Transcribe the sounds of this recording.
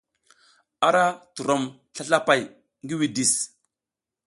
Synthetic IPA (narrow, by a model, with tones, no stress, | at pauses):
a˨ɾa˦tu˨ɾo˨m | ɬa˦ɬa˦pa˨j | ŋɡi˦wi˨di˨s